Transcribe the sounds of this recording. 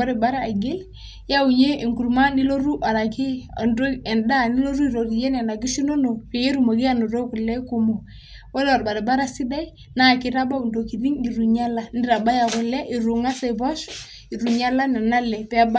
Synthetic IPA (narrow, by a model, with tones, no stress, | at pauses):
a˦ɾe˨ba˦ɾa˦a˨ɡe˦l | ja˦u˨je˦e˨ŋku˨ɾma˦ni˦lo˦ɾu˦ʔa˨la˨ki˦a˨ndo˦ɛ˨nda˦˨ni˦lo˦ɾu˦i˨ɾo˨ɾi˨jɛ˦n˨a˨na˨ki˦ʃi˦no˦no˨pɛ˨e˦ɾu˦˨mo˨ki˦a˨no˨ɾo˦ku˨lːɛ˦ku˨mo˨ | wɔ˦la˨ɾba˨ɾɛ˨ba˦ɾa˦si˦da˦i˦ | na˦˨ki˦ɾa˦ba˦u˨ndo˨ki˨ɾi˦ŋi˨ɾu˨ɲa˦la˨ni˦ɾa˨ba˦ja˨kʊ˨lɛ˦ʔi˨ɾu˨ŋa˦sa˨bɔ˦ʃ | i˨ɾu˨ɲa˦la˦nɛ˨na˦lɛ˨pɛ˦a˦ba˦